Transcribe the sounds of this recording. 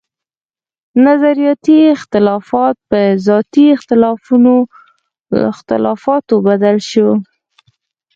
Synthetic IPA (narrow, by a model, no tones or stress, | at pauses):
nazaɾijɑt̪iɪxt̪ɪlɑfɑt̪̚pəzɑt̪iɪxt̪ɪlɑfuno | ɪ̰xt̪ɪ̰lɑfɑt̪obad̪alʃo